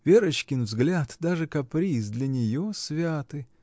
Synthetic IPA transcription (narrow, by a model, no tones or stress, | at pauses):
vʲeɾət͡ɕkʲɪnvzɡlʲat̪d̪aʐɨkɐpɾʲis̬d̪lʲɐnʲɪjosvʲat̪ɨ